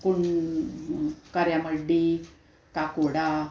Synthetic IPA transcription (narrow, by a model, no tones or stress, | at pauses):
kuɳ | kaɾjaməɖːi | kakoɽa